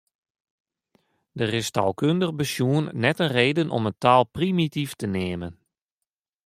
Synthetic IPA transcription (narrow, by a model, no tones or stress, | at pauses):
dərɪstalˠkøndəɣbəsjuənːɛtənreːdənʔɔ̰məntaːlˠprimitiftəneːmən